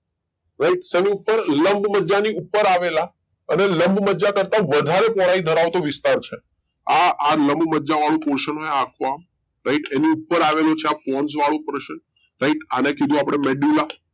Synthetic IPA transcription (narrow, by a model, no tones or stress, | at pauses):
ɾaiʈseniupːəɾləmbməd͡ʒaniupːəɾaʋela | əneləmbʱməd͡ʒakəɾt̪aʋəd̪ʱaɾepɔɭaid̪ʱəɾaʋt̪oʋɪst̪aɾt͡ʃʰe | aʔaləmbməd͡ʒaʋaɭ̃ũpoɾʃənɦojakʰoam | ɾaiʈeniupːəɾaʋelot͡ʃʰeapɔnsʋaɭũpɾəʃən | ɾaiʈanekid̪ʱũapɽ̃emeɖula